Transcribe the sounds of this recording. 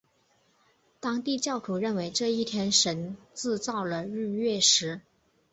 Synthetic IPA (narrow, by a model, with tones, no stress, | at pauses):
t̪ɑ˥ŋt̪i˥˧t͡ɕjɑ˥˩ʊt̪ʰu˨˧˥ɻə˥˩nwe˧˥ɪʈ͡ʂɤ˥˧i˥˩t̪ʰjɛ˥nʂə˧˥nt͡sɹ̩˥˧t͡sɑ˥˩ʊlə˩ɻ̩˥˧ɥɛ˥˩ʂɻ̩˧˥